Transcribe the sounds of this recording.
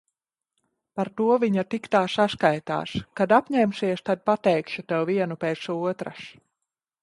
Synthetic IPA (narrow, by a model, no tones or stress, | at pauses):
paɾt̪uɔviɲat̪ikt̪aːsaskajt̪a̰ːʃkad̪apʲɲɛmsiɛʃt̪ad̪̚pat̪ɛjkʃut̪ɛwviɛnupɛːt̪suɔt̪ɾas